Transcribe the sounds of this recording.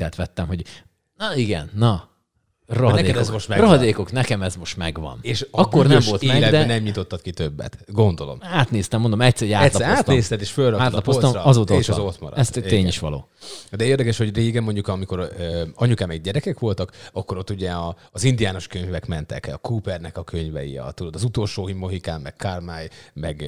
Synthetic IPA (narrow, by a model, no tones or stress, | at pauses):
t̪ɛːt̪ʋɛt̪ːɛmɦo̞ɟ | nɒiɡɛ̰nːɒ | rɒɦɒd̪ɛeːɛkɛzmoʃt̪mɛroɦɒd̪eːkoknɛkɛmɛzmo̞ʃt̪mɛɡʋɒ̰neːʃɒkːornɛmvo̞lt̪emːɡlɛd̪ɛɛnɛmɲit̪o̞t̪ːɒt̪kit̪ø̞bːɛ̰t̪ɡo̞nd̪o̞lo̞̰maːt̪neːst̪ɛmːond̪omɛcsɛɾɛjaːɛlɒaːt̪neːst̪ɛt̪eːʃfølrɒaːt̪lɒpost̪ɔɒzoːt̪oʃɒot̪mɒ̰ɾɔ̰ɛst̪t̪ːeːɲiʃʋɒ̰lo̰ːd̪ɛeːrd̪ɛkɛʃho̞ɟreːɡɛmo̞ɲɟukɒmiko̞ɾøɒɲukaːmɛɡɟɛɾɛkɛkʋo̞lt̪ɒkɒkːoɾo̞t̪ːuɟɛɒːzind̪ijaːno̞ʃkøɲvɛkmɛnt̪ɛ̰kɒkuːpɛrnɛkɒkʰøɲvɛ̰jḭɒ̰t̪ud̪od̪ɒzut̪o̞lʃoːɦimːoɦikaːmːɛkkarmaːjmɛɡ